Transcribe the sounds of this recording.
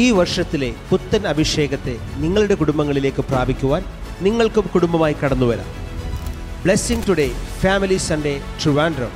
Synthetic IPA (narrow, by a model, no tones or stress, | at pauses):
iːʋɐrʂɐt̪ːile̞put̪ːɐnɐbʱiʂe̞ːɡɐt̪ːe̞ | niŋːɐɭuɽe̞kuɽumbɐŋːɐɭile̞ːkːɨpraːbʱikʲːuʋaːn | niŋːɐɭkumkuɽumbɐmaːjikːɐɽɐnːuʋɐɾa̰ | bɭesiŋtuɽe̞faːmilisɐɳɖe̞truʋaːndrɐm